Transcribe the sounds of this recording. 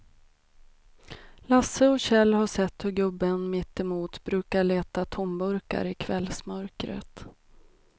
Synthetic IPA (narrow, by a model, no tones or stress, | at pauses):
lasəɔɕɛlːhaʂɛt̪ːhɵɾɡɵbːənmɪt̪ːɪmuːt̪bɾʉ̟ːkaɭeːt̪at̪ʰɔmbɵɾka̰ɾɪkʰvɛlsmœɾkɾə̰t̪